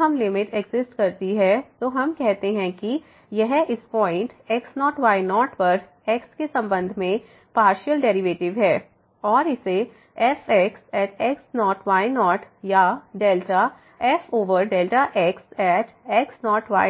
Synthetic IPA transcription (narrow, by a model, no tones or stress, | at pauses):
ɦɐmlɪmɪʈɛɡzɪsʈkɐɾt̪iɦɛt̪oɦɐmkɛɦt̪eɦɛ̃ki | jɛɦʔɪspɔːɪ̃ɳʈɛksnɔːʈʋaːɪnɔːʈpɐɾ | ɛːkskesɐ̃mbə̃nd̪ʱmẽ | paːɾʃəlɖɛːɾɪʋeːʈɪʋɦɛː | ɔːɾɪse | ɛfʰɛksɛːʈʰɛksnɔːʈʰʋaːɪnɔːʈ | jaɖeːlʈa | ɛːfoːʋəɾɖeːlʈaʔɛksɛːʈʰɛksnɔːʈʋa̰ː